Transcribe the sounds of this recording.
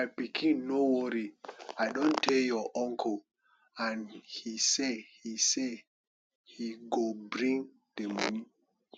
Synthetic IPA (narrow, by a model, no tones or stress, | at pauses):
ajpikʰĩnːowɔɾiajdõntʰːeljɔʔɔ̃ŋkʰɔ | ãnhisehise | hiɡobɹĩŋ | demɔ̰ni